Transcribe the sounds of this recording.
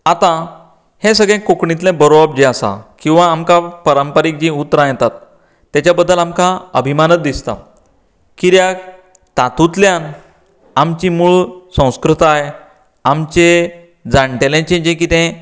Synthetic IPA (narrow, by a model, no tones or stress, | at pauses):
at̪ã | hẽsəɡɭɛ̃kokɳit̪̬lɛ̃bəɾoab̚d͡ʑeasa̰kĩw̃ʋaːmkapəɾəmpəɾik̚d͡ʑĩut̪ːɾãjɛt̪at̪ː | jat͡ɕabəd̪ːəlamkãəbʱimanət̪̚d̪ist̪a̰ | kiɾjak | t̪at̪ut̪ljan | amt͡ɕimuɭsə̃w̃skɾut̪ae | amt͡ɕe | d͡zaɳʈelẽt͡ɕẽd͡ʑẽkit̪ɛ̃